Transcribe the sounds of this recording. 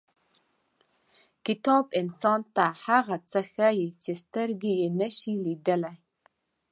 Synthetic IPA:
kitʰoːpʼinsɔːntʰaːħaːʁɐt͡sʰɐxɐjɛt͡ʃʰɪstʰɐrɡʲijɛnɐʃiːliːdɐla

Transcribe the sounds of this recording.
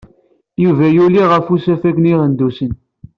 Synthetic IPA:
juvæjuliʁəfusæfækniʁənd̪usən

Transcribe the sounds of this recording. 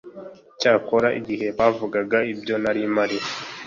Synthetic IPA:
caːko̞ɾaʔḭɟihe̞βaːvuɡaɡaibjo̞naɾimaɾi

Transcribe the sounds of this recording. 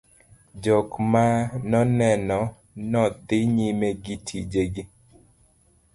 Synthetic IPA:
d͡ʒɔkmanɔnɛnɔ | nɔd̪ɪɲimeɡitʰid͡ʒeɡi

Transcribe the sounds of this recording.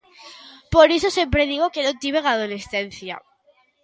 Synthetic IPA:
po̞ɾesosjempɾe̞ðiɣ̞o̞kenot̪iβe̞ɣað̞ole̞sθe̞n̟θja̰

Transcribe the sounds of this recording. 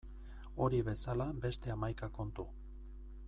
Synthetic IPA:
o̞ɾiβe̞salabe̞st̪e̞amajkako̞nt̪u

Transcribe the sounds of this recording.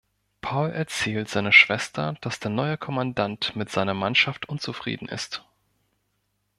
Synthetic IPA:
pʰaʊlʔɛɐt͡sɛːltz̥aɪnəʃv̥ɛstʰɐd̥asd̥eːɐnɔʏəkʰɔmandantmɪtz̥aɪnɐmanʃaftʔʊnt͡sufʁ̥ḭːdn̩ʔɪ̰st

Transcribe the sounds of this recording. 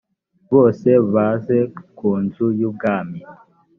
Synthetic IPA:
βoseβazekunzujuɡami

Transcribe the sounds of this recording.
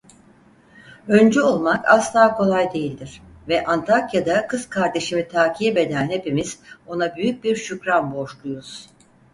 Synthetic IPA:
ø̞nd͡ʒɛo̞lˠmakʰa̰slˠaːkʰo̞lˠajd̪e̞jilʲd̪iɾ̥vɛʔant̪ʰakjad̪akʰɯz̥kʰaɾd̪e̞ʃimit̪ʰaːcʰiːbe̞d̪ænhe̞pimiz̥o̞nabyjyc̚biɾʃycɾanbo̞ʃlˠujuz̥

